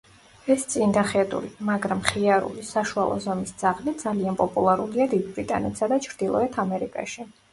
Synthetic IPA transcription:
ɛst̪sʼind̪aχɛt̪ʼṵlimaɡɾamχiaɾṵlisaʃua̰lˠɔ̰zɔmisd̪z̥aʁlit̪̚d̪zalianpʼɔpʼulˠaɾuliad̪id̪̚bɾit̪ʼanɛt̪ʰsad̪at͡ʃʰɾd̪ilˠɔ̰ɛt̪ʰamɛɾikʼa̰ʃi

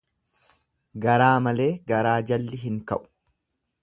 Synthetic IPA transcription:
ɡɐɾaːmɐle̞ːɡɐɾaːd͡ʒɐlːɪɦɪŋkɐ̰ʔʊ̥

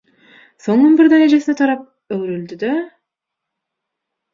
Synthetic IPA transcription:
so̞ŋunbiɾd̪æɾed͡ʒe̞sinet̪ʰɑɾɑp̚ | øɡɾyld̪yd̪a

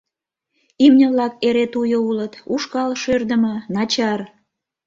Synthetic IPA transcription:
imnʲəβlɑkeɾet̪ujoulət̪uʃkɑlʃørd̪əmənɑt͡ɕɑr

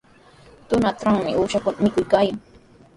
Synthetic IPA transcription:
t̪ʊnat̪ɾaŋmɪʔuːʃakʊnamɪkʊjkaːjaŋ

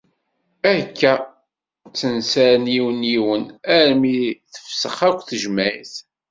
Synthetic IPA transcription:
ækːæ | t͡sːənsæɾniwəniwənæɾmiθə̥fsəχækʷːθəʒmæjθ

